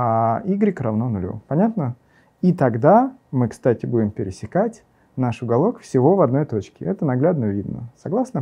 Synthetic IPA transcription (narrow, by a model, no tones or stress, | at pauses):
aiɡɾʲɪkɾɐvnonʊlʲṵpɐnʲat̪nə | it̪ɐɡd̪amɨkst̪atʲɪbudʲɪmpʲɪɾʲɪsʲɪkatʲ | naʂʊɡɐlˠo̞kfsʲɪvo̞vɐd̪no̞jt̪o̞t͡ɕkʲɪ̰ɛt̪ənɐɡlʲad̪nəvʲid̪nə̰sɐɡlˠasnə